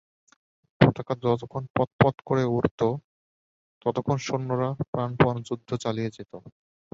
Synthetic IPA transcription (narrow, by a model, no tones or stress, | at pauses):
pot̪akad͡ʑɔt̪okʰonpɔt̪̚pɔt̪koɾeuɾt̪o | t̪ɔt̪okʰːonʃonːoɾapɾanpand͡ʑud̪ʱːot͡ɕalijed͡ʑet̪o